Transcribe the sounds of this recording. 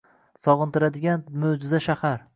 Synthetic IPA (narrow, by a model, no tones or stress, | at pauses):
sɒʁɨnt̪ʰɪɾad̪ɪɡʲanmod͡ʒɪzaʃahaɾ